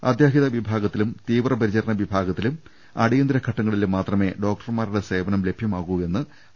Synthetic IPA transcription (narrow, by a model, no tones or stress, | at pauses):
ɐ̰d̪jaːɦiðɐʋibʱaːɡɐt̪ːilumt̪iːʋrɐpɐɾit͡ɕɐɾɐɳɐʋibʱaːɡɐt̪ːilum | ɐ̰ɽijɐnd̪ɾɐkʰɐʈːɐŋːɐɭilumːaːt̪rɐme̞ːɖo̞ːk̚ʈɐrmaːɾuɽe̞se̞ːbɐnɐmle̞bʱjɐmaːɣue̞nːɨ